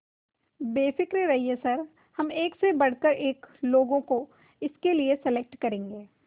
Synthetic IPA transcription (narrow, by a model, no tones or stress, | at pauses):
beːfɪkɾeɾɐɦiesɐɾ | hɐmeːksebɐɽ̤kəɾeːkloːɡõko | ɪskeliesɛlek̚ʈkɐɾẽːŋɡeː